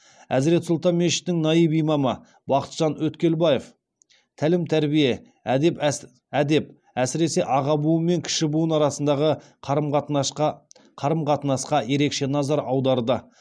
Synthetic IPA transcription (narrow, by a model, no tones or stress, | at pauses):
æzɾe̞t̪sʊlˠt̪ɑnme̞ʃɪ̥t̪t̪ːɪŋnɑjijbijmɑmə | bɑqə̥t̪ʒ̥ɑnwɵt̪kʲe̞lbɑjef | t̪ʰælɪmt̪ʰæɾbije̞ | ep | æd̪e̞p̚ | æsɪɾe̞se̞ʔɑʁɑbuəmːe̞ŋkʲʰɪ̥ʃɪbuənɑɾɑsənd̪ɑʁə | qʰɾm | qʰɑɾəmqʰɑt̪ənɑsqɑje̞ɾe̞kʃe̞nɑzɑɾɑwd̪ɑɾd̪ə